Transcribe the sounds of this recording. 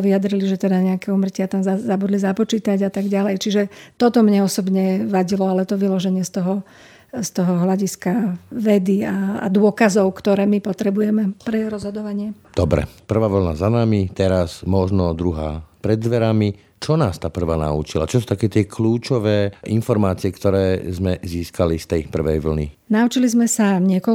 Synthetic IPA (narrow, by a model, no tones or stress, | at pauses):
ʋijad̪ɾiliʒɛt̪ɛd̪aɲɛakɛumr̩cɪat̪amzazabud̪lizapɔt͡ʃiːt̪aɟat̪aɡɟalɛjt͡ʃiʒɛt̪ɔt̪ɔmɲɛɔsɔbɲɛʋaɟilɔalɛt̪ɔʋilɔʒɛɲɪɛst̪ɔɦɔ | st̪ɔɦɔɦlaɟiskaʋɛd̪ia̰ːd̪ʊɔkazɔʊkt̪ɔɾɛːmipɔt̪ɾɛbujɛmɛpɾɛɾɔzɦɔd̪ɔʋaɲɪɛ | d̪̥ɔbɾɛ̰pr̩ʋaːʋl̩nazanamit̪ɛɾasmɔʒnɔd̪ɾuɦaːpɾɛd̪d̪ʋɛɾami | t͡ʃɔnaːst̪aːpr̩ʋana̰ṵt͡ʃila̰t͡ʃɔsuːt̪akɛːt̪ɪɛkʰluːt͡ʃɔʋɛːʔinfɔɾmaːt͡siɪɛkt̪ɔɾɛːzmɛziːskʰalist̪ɛjpr̩ʋɛjʋl̩nḭnaut͡ʃilizmɛsaɲɪɛkɔ